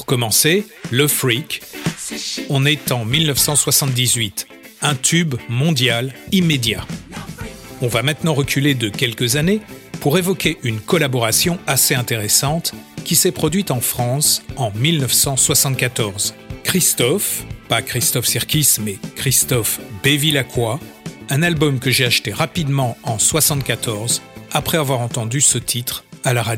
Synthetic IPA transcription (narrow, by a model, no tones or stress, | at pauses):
pʁkɔmɑ̃se | ləfʁik | ɔ̃nɛt̪ɑ̃milnœfsɑ̃swasɑ̃t̪̚d̪izɥit̪ | ɛ̃t̪ʰybmɔ̃d̪jalimed̪ja | ɔ̃vamɛ̃t̪nɑ̃ʁəkʲʰyled̪əkʲɛlkəzanepuʁevɔkʲeʔynkɔlabɔʁasjɔ̃aseɛ̃t̪eʁesɑ̃t̪kʲisɛpχɔd̪ɥit̪ɑ̃fχɑ̃sɑ̃milnəfsɑ̃swasɑ̃t̪̚kat̪ɔʁz | kχist̪ɔfpakχist̪ɔfsiʁkʲismɛkχist̪ɔfbevilakʰwa | ɛ̃nalbɔmkəʒeaʃt̪eʁapid̪mɑ̃ɑ̃swasɑ̃t̪̚kat̪ɔʁzapχɛavwaʁɑ̃t̪ɑ̃d̪ysət̪ʰit̪χalaʁad̪